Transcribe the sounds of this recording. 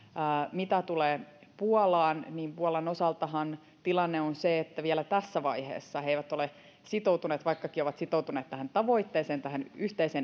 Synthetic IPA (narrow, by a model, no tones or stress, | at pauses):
mit̪æt̪uleːpuɔlɑːnniːmpuɑlɑnosɑlt̪ɑhɑn | t̪ilɑnːeonseet̪ːæʋielæt̪æsːæʋɑihḛːsːɑheiʋæt̪ole | sit̪out̪uneːt̪ʋɑikːɑkioʋɑt̪sit̪out̪uneːt̪t̪æhænt̪ɑʋo̞it̪ːeːseːnt̪æɦænyht̪eiseːn